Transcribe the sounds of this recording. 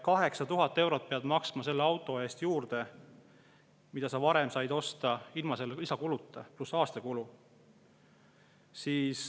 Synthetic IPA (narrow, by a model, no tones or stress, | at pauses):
kɑɦe̞ksɑt̪uɦɑt̪ːˑe̞wɾo̞t̪̚peɑd̪̥mɑksmɑse̞lːeɑwt̪ːˑo̞e̞ːst̪juːɾd̪̥e̞ | mid̪̥ɑsɑvɑɾe̞msɑjd̪̥o̞st̪ɑilmɑse̞lːeisɑkulut̪ːˑɑplusɑːst̪ɑkulu | siːs